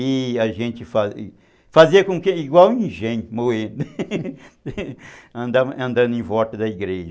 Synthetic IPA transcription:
iɐʒẽnt͡ʃɪfa̰ | faziɐkõkeiɡwawĩʒẽɲʊmohẽd̪ʊ | ɐ̃nd̪aɐ̃nd̪ɐ̃nd̪ʊẽj̃vɔt̪ɐd̪ɐiɡɾeʒ

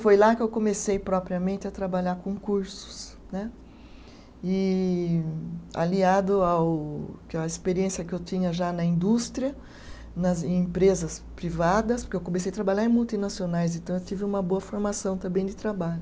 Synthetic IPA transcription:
fojlakɪewkõmesejpɾɔpɾiɐmẽnt̪ɪɐt̪ɾabaʎaɾkõkuɾsʊ̥s | nɛ | ɪ | a̰liad̪ʊawkɐispeɾiẽsjɐkɪewt̪ĩɲɐʒanɐĩnd̪ust̪ɾiɐ | nɐz̃ẽpɾezɐspɾivad̪ɐspoɾkeewkõmesejɐt̪ɾabaʎaɾẽmuwt̪inasionajs̬ẽnt̪ɐ̃w̃ewt̪ivɪũmɐboɐfoɾmasɐ̃w̃t̪ɐ̃mbẽj̃d̪ɪt̪ɾabaʎʊ

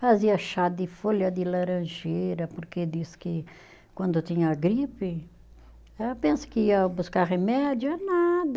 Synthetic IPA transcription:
faziɐʃad̪ɪfoljɐd̪ɪlaɾɐ̃ʒejɾɐpoɾked̪iskɪ | kwɐ̃nd̪ʊt̪ĩɲɐːɡɾipɪ | ɛpẽsɪ̥kɪiɐbuskaɾʁemɛd̪jʊɛnad̪ɐ

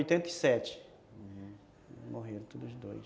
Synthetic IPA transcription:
jt̪ẽnt̪ɐisɛt͡ʃɪ̥ | moɦeɾɐ̃t̪od̪zd̪oj

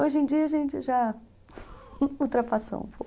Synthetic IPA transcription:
oʒẽd͡ʒiɐʒẽnt͡ʃɪʒa | uwt̪ɾapaso̰ṵ̃po

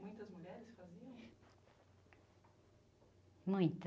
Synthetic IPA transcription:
mũj̃t̪ɐzmuʎɛɾɪsfaziɐ̃w̃ | mũj̃t̪

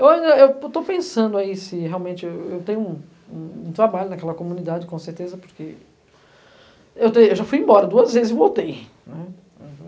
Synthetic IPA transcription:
ewaĩnd̪ɐewt̪opẽsɐ̃nd̪ʊaisɪɦeawmẽnt͡ʃɪeewt̪ẽɲ̃ʊũ | ũũt̪ɾabaʎʊnɐkɛlɐkomũnid̪ad͡ʒɪkõseɾt̪ezɐpoɾke | ewt̪ejewʒafujẽbɔɾɐd̪uɐzvezɪzɪvowt̪ej | nɛ̃

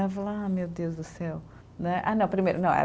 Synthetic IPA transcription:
avɐlamewd̪ewzd̪ʊsɛw | nɛʔa̰nɐ̃w̃pɾimejɾunɐ̃w̃ɛ̰

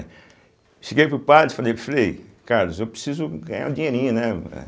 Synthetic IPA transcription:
ʃeɡejpupaɾti̥falejflejkaɾlʊzewpɾesizʊɡãj̃a̰ũd͡ʒĩɲeɾĩɲɐnɛɛ̰

